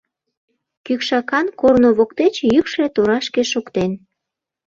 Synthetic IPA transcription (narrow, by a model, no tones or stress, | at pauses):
kykʃɑkɑnkornoβokt̪et͡ɕjykʃlet̪oɾɑʃkeʃokt̪en